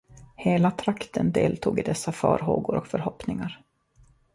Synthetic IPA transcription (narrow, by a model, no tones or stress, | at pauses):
heːlat̪ʰɾakt̪ʰənd̪eːlt̪ʰuːɡɪd̪ɛsːafœ̰ːɾɦoːɡʊɾɔkfœɾhɔpnɪŋaɾ